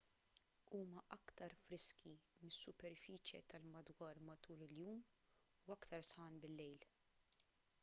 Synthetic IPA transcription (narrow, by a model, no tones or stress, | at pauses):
uːmɐʔɐkt̪ɐɾfɾɪskʰimɪsːʊpɛɾfiːt͡ʃjɛ̰t̪ɐlmɐd̪wɐːɾmɐt̪uːɾɪljuːm | ʊɐkt̪ɐɾsħɐːnbɪlːɛjl